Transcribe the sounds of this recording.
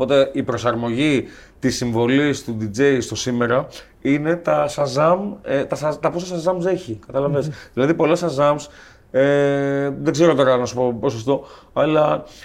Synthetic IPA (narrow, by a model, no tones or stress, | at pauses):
opo̞t̪e̞ipɾo̞sɐɾmo̞ʝi | t̪isiɱvo̞list̪ud̪id͡ze̞jst̪o̞sime̞ɾɐ | ine̞t̪ɐsɐzɐmet̪ɐsɐt̪ɐposɐsɐzɐmze̞çikɐt̪ɐlɐvesðilɐðipo̞lɐsɐzɐms | e | ðeɡzeɾo̞t̪o̞ɾɐnɐsu̥po̞po̞sost̪o̞ | ɐlɐ